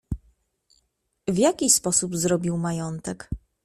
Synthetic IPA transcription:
vʲjakʲispɔsubzɾɔbʲiwmajɔnt̪ɛk

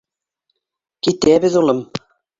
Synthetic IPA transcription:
kit̪æbɘ̆ðulˠɤm

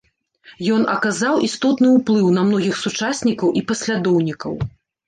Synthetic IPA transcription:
jɔnɐkazawʔist̪ɔt̪nɨwplˠɨwnɐmnɔɣʲixsut͡ʂasʲnʲikɐwʔipɐsʲlʲad̪ɔwnʲikɐw

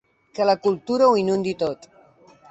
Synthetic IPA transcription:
kələkulˠt̪uɾəwinund̪it̪ot̪

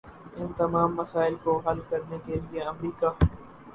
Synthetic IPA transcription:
ɪnt̪ɐmaːmːɐsaːɪlkoɦɐlkɐɾnekelieɐmɾiːkaː

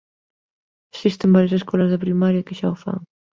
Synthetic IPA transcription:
sist̪embaɾjas̬eskɔlazðɪpɾimaɾjɐkɪʃaofa̰ŋ

